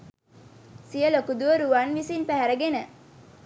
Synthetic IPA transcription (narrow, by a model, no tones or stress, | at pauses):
sijəlokud̪uʋəɾuʋanʋisinpæɦæɾəɡenə